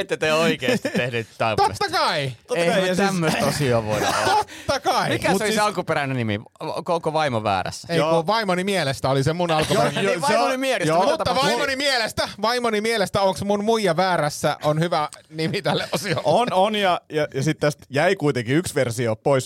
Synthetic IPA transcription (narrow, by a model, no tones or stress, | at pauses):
et̪ːet̪eoikeːst̪ehnyːt̪t̪ɑit̪oḛsːɑkɑioeɑstːæmːøsosioːʋo̰ḭtːt̪ott̪ːɑkɑimikæsmusoliiseɑlkupeɾænenimḭ | o̰kokoʋɑimoʋæ̰ːɾæ̰sːæ̥eikːuʋɑimonimielest̪æolisemunɑlkujejoseonimielejsjoːmut̪ːɑʋɑimonimielest̪æʋɑimonimielest̪æoŋksmunmuijɑʋæːɾæsːæ̰onhyʋænimit̪ælːeʔosioononjɑjɑjɑsit̪t̪æst̪jæikuit̪eŋkiyksʋersiopois